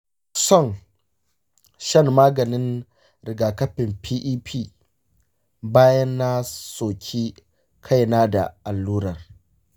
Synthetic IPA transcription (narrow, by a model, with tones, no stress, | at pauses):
sɔ˦˨ŋ | ʃɐ˦˨mːaː˦ɡɐ˨nɪ˦n | ɾɪ˨ɡaː˨kɐ˦ɸɪ˨mpʰiː˦ʔiː˦pʰiː˦ | baː˦jɐ˦nːa˦soː˨kʲʰiː˦ | kʰa˦˨jnaː˦da̰˨ʔa˨lːuː˦ɾɐ˨r